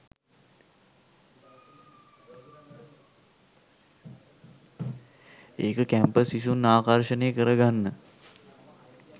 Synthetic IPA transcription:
eːkəkæmpəsiʃunːaːkaɾʃəneːkəɾəɡanːə

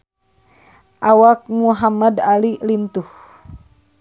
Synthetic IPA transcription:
ʔawak̚muɦamadalilint̪uh

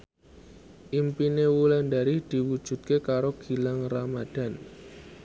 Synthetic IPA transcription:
ʔimpinewulandaɾihd̪̥i̤wu̥ʒ̥ṳt̪̚kekaɾoɡ̥i̤laŋramad̥a̤n

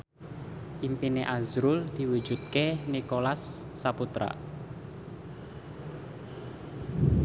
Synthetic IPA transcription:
ʔimpineʔazɾʊld̪̥i̤wu̥d͡ʒ̥ut̪̚kenikolasːaput̪ɾa̰

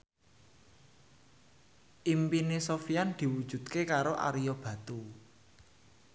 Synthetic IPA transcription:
ʔimpinesofiand̪̥i̤wud̥ʒ̥ṳd̪̥̚kekaɾoʔa̰ɾijɔb̥ä̤t̪u

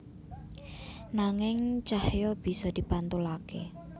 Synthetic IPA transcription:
naŋɪŋt͡ʃahjɔb̥i̤sɔd̪̥i̤pant̪ulake

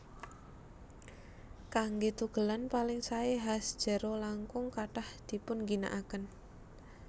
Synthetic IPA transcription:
kaŋɡet̪uɡ̥ə̤lanpalɪŋsaeɦasd̥ʒ̥ə̤ɾolaŋkʊŋkaʈahd̪̥i̤pʊnŋɡina̰ʔakən

